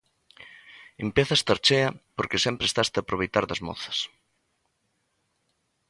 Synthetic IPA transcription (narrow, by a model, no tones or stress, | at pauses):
empeθɐst̪aɾt͡ʃeɐpoɾkesɛmpɾest̪ast̪ɪapɾoβ̞ejt̪aɾðɐzmɔ̰θɐ̥s